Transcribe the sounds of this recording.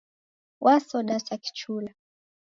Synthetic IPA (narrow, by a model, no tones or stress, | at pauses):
wʔasɔɗasaki̥t͡ʃula